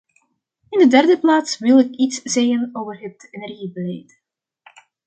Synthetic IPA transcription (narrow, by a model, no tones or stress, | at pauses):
ɪndədɛrdəplaːtsʋɪlˠɪkitsz̥eːɣənoːvərɦətɛnɛrɣibəlɛjt